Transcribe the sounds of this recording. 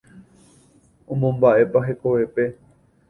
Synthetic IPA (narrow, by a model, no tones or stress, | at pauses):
õmõmbaʔe̞paɦe̞ko̞ʋe̞pe̞